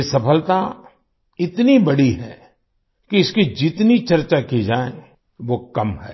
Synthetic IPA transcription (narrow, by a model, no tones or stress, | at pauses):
sɐpʰəlt̪a | ɪt̪nibɐɽiɦɛː | kiɪskid͡ʒɪt̪nit͡ʃɐɾt͡ʃakid͡ʒaːẽ | ʋokɐmɦɛ̰ː